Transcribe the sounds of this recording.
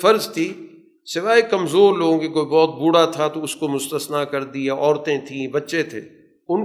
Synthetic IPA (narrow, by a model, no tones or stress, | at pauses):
fɐɾzt̪ʰiː | sɪʋaːekɐmzoːɾloːɡõkekoːibɔːt̪̚buːɽat̪ʰat̪oʊskomʊst̪əsnakɐɾd̪ijaʔɔːɾt̪ẽt̪ʰĩbɐtːʃet̪ʰḛː | ʊn